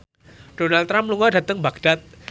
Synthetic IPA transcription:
d̥onalt̪ɾampluŋɔdat̪əŋbaɡd̥at̪̚

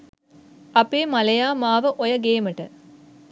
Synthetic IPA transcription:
ɐpeːmɐlɐjaːmaːʋɐʔojɐɡeːmɐʈɐ̰

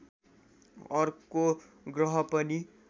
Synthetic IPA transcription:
ʌrko | ɡrʌɦʌpʌni

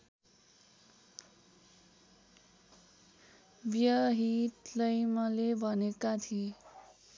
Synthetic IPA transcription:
bjʌɦit̪lʌjmʌlebʱʌnekat̪ʰie

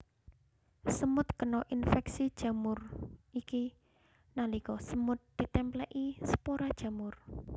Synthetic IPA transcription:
səmʊt̪̚kənɔʔinfɛksid̥ʒ̥ä̤mʊrʔiki | nalikɔsəmʊt̪̚d̪̥i̤t̪ɛmplɛʔisə̥poɾad̥ʒ̥ä̤mʊr

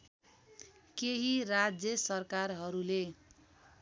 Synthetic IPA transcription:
keɦiɾad͡zjʌsʌrkarɦʌɾule

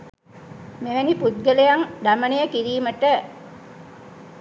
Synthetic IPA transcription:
meʋæniput̪̚ɡəlejaŋd̪amənejəkiɾiːməʈə

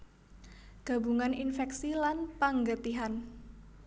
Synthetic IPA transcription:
ɡ̥a̤buŋaninfɛksilanpaŋɡət̪iɦan

